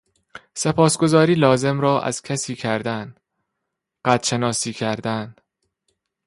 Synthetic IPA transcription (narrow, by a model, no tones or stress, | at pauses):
se̞pʰɒːsɡo̞zɒːɾiːlɒːze̞mɾɒːʔæ̰z̥cʰæsiːcʰæɾd̪æn | ɢ̥æd̪ʃe̞nɒːsiːcʰæɾd̪æn